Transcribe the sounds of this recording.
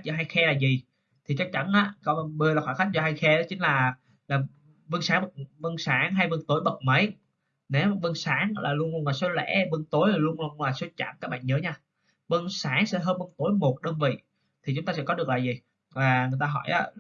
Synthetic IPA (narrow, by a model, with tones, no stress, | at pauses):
j̚zɔ˧ɦaː˧jxɛ˧laː˨˩zi˨˩ | t̪ʰi˨˩t͡ɕa˧˥k̚t͡ɕa˧˦nʔaː˨˦kɔ˨˦˧ɓɨ˧əlaː˨˩xwaː˧˩xa˦˥k̟̚zɔ˧ɦa˧jxɛ˧a˨˦t͡ɕï˨˦ŋ̟laː˨˩ | laː˨˩ | və˧ŋsaː˨˦ŋɓə˨˩t̚və˧ŋsaː˨˦ŋɦa˧jvɨ˧nt̪o˧˦jɓə˨˩t̚mə˨˦j | ne˨˦wvə˧nsaː˨˦ŋlaː˨˩lu˧ənlnlaː˨˩so˨˦lɛ̰˧˥və˧ŋt̪o˨˦jlaː˨˩lu˧ənlu˧nlaː˨˩so˨˦t͡ɕa̰˧˩ŋkaː˦˥k̚ɓa̰ː˧˨nɲəː˨˦ɲaː˧ | və˧nsaː˨˦ŋsɛ̰˧˥ɦəː˧nvə˧nt̪u˧˩˦jmo˨˩t̚ɗəː˧nvḭ˧˨ | t̪ʰi˨˩t͡ɕʊ˨˦ŋ͡mt̪aː˧sɛ˧˥kɔ˨˦ɗɨ˨˩ək̚laː˨˩zi˨˩ | vaː˨˩ŋɨ˨˩əjt̪aː˧ɦɔ˧˩jʔaː˨˦